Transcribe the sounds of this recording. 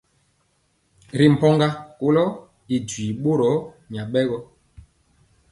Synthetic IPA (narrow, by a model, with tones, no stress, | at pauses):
ɾi˨m̩˨pɔ˦ŋɡa˦ko˦lɔ˦ | i˨dwiː˨ɓo˦ɾɔ˨˦ | ɲa˨ɓɛ˦ɣɔ˦